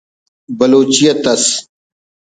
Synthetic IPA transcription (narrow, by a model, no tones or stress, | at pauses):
bɐloːt͡ɕijɐt̪ɐs